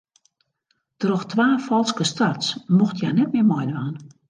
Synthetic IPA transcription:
trɔxtʋaːfɔlˠskəstatsmuxtjanɛt̚mɪəmɔjdʋaːn

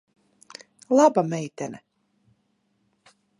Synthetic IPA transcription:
lˠabamɛjt̪ɛnɛ

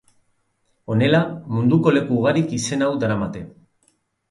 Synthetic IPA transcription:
o̞ne̞lamund̪uko̞le̞kuːɣaɾikise̞nawd̪aɾamat̪e̞

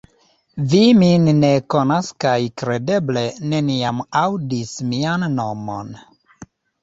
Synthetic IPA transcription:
viminːekonaskajkɾe̞de̞ble̞neniamawdismianːo̞mo̰n

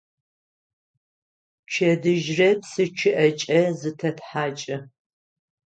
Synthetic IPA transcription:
t͡ʃʰɐdɨʒrɐpsɨt͡ʃʰɪʔɐt͡ʃʼɐzɨtʰɐtħaːt͡ʃʼɪ

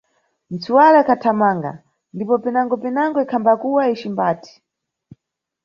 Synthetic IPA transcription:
n̩t͡suwalakʰatʰamaːŋɡa̰ | ndipɔpinaŋɡɔpɛnaŋɡɔikʰambakuwait͡ʃimbaːti̥

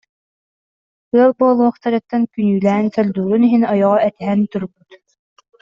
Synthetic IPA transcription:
ɯɐlˠboːlˠuɔχt̪aɾɛk̚t̪ːɛnkynyːlæːnsɛld̪uːɾuniɦinɔjɔʁɔɛt̪ɛɦɛnt̪uɾbyt̪

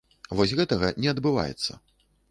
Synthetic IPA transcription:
vɔsʲɣɛt̪ɐɣɐnʲɛɐd̪bɨva̰jɛ̰t̪sːɐ̰

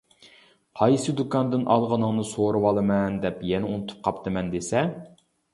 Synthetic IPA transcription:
qʰɑjsɨd̪ukɑnd̪ɪnʔɑlˠʁənɨŋnɨsoɾɨwɑlˠɨmɛnd̪ɛpjɛnɛunɨt̪ʰu̥p̚qʰɑpt̪ʰɨmɛnd̪esɛ

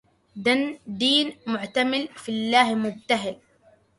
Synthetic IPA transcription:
d̪and̪iːnmʊʕt̪amɪlfilːaːhmʊb̚t̪aɦɪl

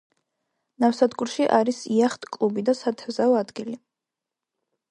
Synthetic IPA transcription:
nafsad̪ɡuɾʃiʔaɾisiaχt̪ʼkʼlubid̪asat̪ʰɛvzaɔad̪ɡili

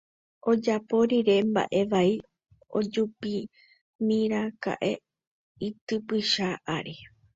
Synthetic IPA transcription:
o̞d͡ʒapoɾiɾe̞mba̰ʔe̞ʋai | o̞̰d͡ʒupi | mĩɾaka̰ʔe̞ | it̪ɨpɨʃaʔaɾi

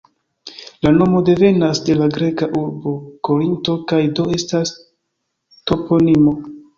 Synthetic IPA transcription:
lano̞mo̞de̞ve̞nasde̞laɡɾe̞kaʔuɾbo̞ko̞ɾinto̞kajdo̞e̞stas | to̞po̞nimo̞

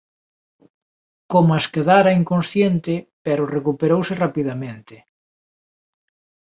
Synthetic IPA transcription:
komaskeðaɾɐiŋkõnsθjent̪ɪpɛɾʊrekupeɾowsɪrapiðamẽnt̪ɪ

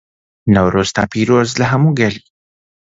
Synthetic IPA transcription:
nɐwɾost̪a̰piɾozlɐɦamuɡɐli

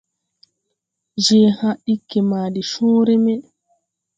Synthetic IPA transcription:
d͡ʒɛːhaɗikːɛmaːɗiʃɔːɾɛmɛ

